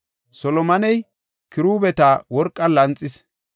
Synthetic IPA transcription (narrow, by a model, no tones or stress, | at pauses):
sɔlɔmɐnɛj | kɪɾuːbɛt̪awɔɾkʼːɐlɐnt͡sʼːɪs